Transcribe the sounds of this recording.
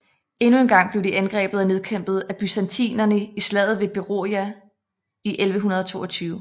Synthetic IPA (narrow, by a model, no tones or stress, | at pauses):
e̝nue̝nɡ̥ɑ̈ŋ̰b̥le̝ʊd̥iʔænɡ̥ʁɛ̰ːb̥ð̩ˠæne̝ðˠkʰem̰b̥ð̩ˠæb̥ysænt͡sʰḭːnɐnəislɛːð̩ˠʋe̝b̥e̝ʁo̝̰jæ | iʔelʋəɦunɐð̞ˠɒ̽t͡sʰo̝̰ːɒt͡sʰyːʊ